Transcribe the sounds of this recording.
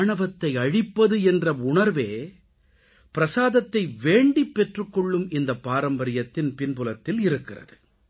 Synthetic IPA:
ɳɐʋɐt̪ːɐɪɐɻɪpːɐðɯɛndrɐʊɳɐɾʋeː | pɪɾɐsaːðɐt̪ːɐɪʋeːɳɖipːɛʈrɯkːɔɭːɯmɪnd̪ɐpːaːɾɐmbɐɾɪjɐt̪ːɪnpɪnbɯlɐt̪ːɪlɪɾɯkːɪrɐ̰ðɯ

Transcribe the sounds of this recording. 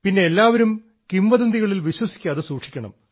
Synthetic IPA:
pinːe̞elːaːʋɐɾum | kimbɐðɐnd̪iɣɐɭilʋiɕwɐsi̥kʲːaːðɨsuːʂi̥kʲːɐɳɐ̰m

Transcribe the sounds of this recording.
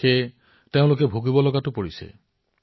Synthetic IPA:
e | teʊ̃lok̬ebʱoɡibɔlɔɡatupɔɹisḛ

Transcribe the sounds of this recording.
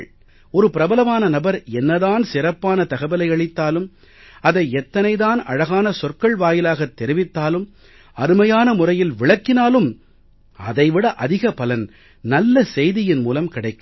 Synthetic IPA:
ɔɾɯpɪɾɐbɐlɐmaːnɐnɐbɐɾɛnːɐðaːnsɪrɐpːaːnɐt̪ɐɣɐbɐlɐɪɐɭɪt̪ːaːlɯm | ɐðɐɪɛt̪ːɐnɐɪðaːnɐ̰ɻɐɣaːnɐsɔrkɐɭʋaːjɪlaːɣɐt̪ːɛɾɪʋɪt̪ːaːlɯm | ɐɾɯmɐjaːnɐmʊrɐjɪlʋɪɭɐkːɪnaːlɯm | ɐ̰ðɐɪʋɪɽɐʔɐðɪɣɐpɐlɐn | nɐlːɐsɛjðɪjɪnmuːlɐmkɪɽɐɪkː

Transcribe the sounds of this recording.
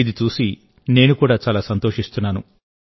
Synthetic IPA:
id̪it͡ʃuːsi | ne̞ːnukuːɽaːt͡ʃaːlaːsɐnt̪o̞ːʂist̪unːaːnu

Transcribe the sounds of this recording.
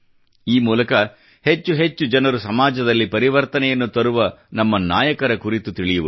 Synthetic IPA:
iːmuːlɐkɐ | het͡ʃːuɦet͡ʃːud͡ʒɐnɐɾusɐmaːd͡ʒɐd̪ɐlːipɐɾiʋɐɾt̪ɐnɛjɐnːut̪ɐɾuʋɐnɐmːɐnaːjɐkɐɾɐkuɾit̪ut̪iɭijuʋu

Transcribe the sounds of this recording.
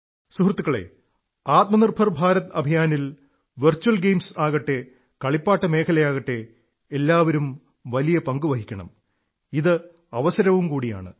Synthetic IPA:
suɦrɐt̪ːukːɐɭe̞̰ | aːt̪̚mɐnirbʱɐrbʱaːɾɐt̪ɐbʱijaːnil | ʋɐrt͡ɕːuɐlɡejmsaːɣɐʈːe | kɐɭipːaːʈːɐme̞ːkʰɐlɐjaːɣɐʈːe̞ː | lːaːʋɐɾum | ʋɐlijɐpɐŋɡuʋɐɦikʲːɐɳɐ̰m | iðɨ | ɐʋɐsɐɾɐʋumkuːɽija̰ːɳɨ̰

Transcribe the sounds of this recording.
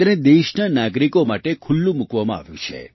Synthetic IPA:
aned̪eʃɳənaɡɾikomaʈekʰʊlːũmukʋamãa̰ʋjṵ̃t͡ʃʰḛ

